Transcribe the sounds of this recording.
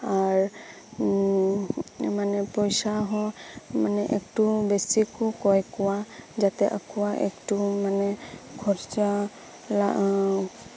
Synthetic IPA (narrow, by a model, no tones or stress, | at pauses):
aɹ | manɛpɔjsaɦɔ̃manɛʔektubesikʊkɔjkɔwazat̪ɛʔakuwaʔɛ̰ktumanɛɡʰʱɔɹza | la